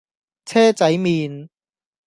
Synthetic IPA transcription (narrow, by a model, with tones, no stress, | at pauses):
t͡sʰɛː˥t͡sɐ˨˥jmiː˨˧n